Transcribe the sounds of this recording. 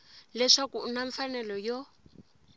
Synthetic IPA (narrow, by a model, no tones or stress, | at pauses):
lɛʂakuːnaɱfanɛlɔjɔ